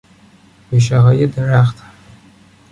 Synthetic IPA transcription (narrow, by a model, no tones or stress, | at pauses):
wiʃaʁajɪdaraχtʰḁ